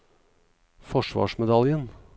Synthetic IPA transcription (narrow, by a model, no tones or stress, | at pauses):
fɔʂʋɑ̰ːʂmɛd̪ɑljən